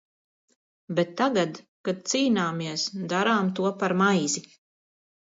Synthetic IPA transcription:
bɛt̪ːaɡad̪ | kad̪̚t̪siːnaːmiɛəsd̪aɾaːmt̪uɔpaɾmajzi

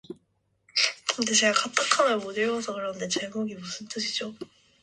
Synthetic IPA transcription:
kɯnde̞t͡ɕe̞ɡakat͈akʰamʌmodɯɭwʌsʰʌkɯɾʌnde̞t͡ɕeɡoɡimusʰɯnt͈ɯɕʰid͡ʑo

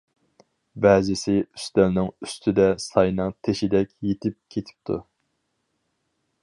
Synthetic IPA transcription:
bɛːzɪsɪy̥st̪ælnɪŋyst̪ʰɪd̪ɛsɑjnɨŋt̪ʰeʃɪd̪ɛkʲjet̪ʰɪp̚kʲʰet̪ʰɪ̥p̚t̪ʰṵ

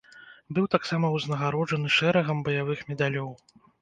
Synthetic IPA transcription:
bɨwt̪aksamɐwznɐɣaɾɔd͡ʐɐnɨʂɛɾɐɣɐmbɐjavɨxmʲɛd̪alʲɔw

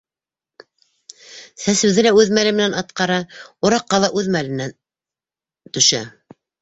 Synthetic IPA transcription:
sæsɘ̆wðɘlæʉðmælɘmɘ̆nænɑt̪qɑɾɑŏɾɑqːɑlˠɑʔʉðmælɘ̆nːæn | t̪ɵ̆ʃæ

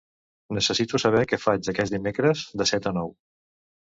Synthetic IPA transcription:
nəsəsit̪usəβ̞ɛkɛfad͡ʒd͡zəkɛzd̪imekɾəzd̪əsɛt̪ənɔw

